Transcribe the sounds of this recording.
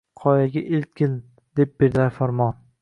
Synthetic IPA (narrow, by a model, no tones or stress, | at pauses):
qʰɒjaɡʲaʔelt̪̚kʲɪn | d̪̥ep̚b̥eɾd̪afaɾmɒn